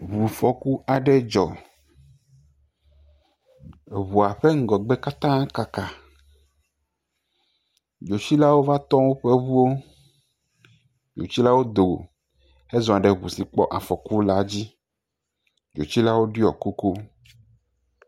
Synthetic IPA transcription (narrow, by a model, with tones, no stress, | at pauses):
βu˨fɔ˨ku˦a˨ɖɛ˦d͡ʒɔ˨ | βu˨a˨ɸɛ˦ŋ̩˦ɡɔ˨ɡ͡bɛ˦ka˦t̪ã˦ka˨ka˨ | d͡ʒo˨t͡ɕi˦la˦wo˦va˦t̪ɔ̃˦wo˦ɸɛ˦βu˦wo˦ | d͡ʒo̰˨t͡ɕi˦la˦wo˦d̪o˨ | ɛ˦zɔ̃˨a˨ɖɛ˨βṵ˨si˨k͡pɔ̰˦ʔa˨fɔ˨ku˦la˦d͡ʑi˦ | d͡ʒo̰˨t͡ɕi˦la˦wo˦ɖi˦ɔ˨ko˦ko˦